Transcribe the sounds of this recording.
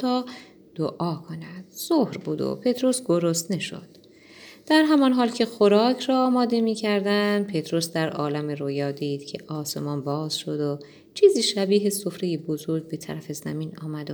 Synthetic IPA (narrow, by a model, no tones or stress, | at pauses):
t̪ʰɒː | d̪̥oʔɒːkʰonæd̪̥z̥ohɾbṵːd̪o̰pʰe̞t̪ʰɾosɡo̞ɾost̪neʃo̞̰d̪̥ | d̪̥æɾɦæmɒnɦɒːlcʰe̞xoɾɒːcʰɾɒːmɒːd̪e̞miːcʰæɾd̪ænd̪̚pʰe̞t̪ʰɾo̞sd̪æɾɒːlæmeɾojɒːd̪iːd̪̥cʰe̞̰ʔɒːse̞̰mɒːnbɒːz̥ʃod̪o | t͡ʃʰiːziːʃæbiːɦeso̞fɾe̞jebozo̞ɾɡ̚be̞t̪ʰæ̰ɾæfe̞zæ̰miːnɒ̰ːmæd̪o